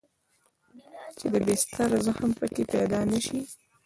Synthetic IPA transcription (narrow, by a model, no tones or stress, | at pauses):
t͡ʃed̪əbest̪aɾazəxəmpəkepɛd̪ɑnaʃi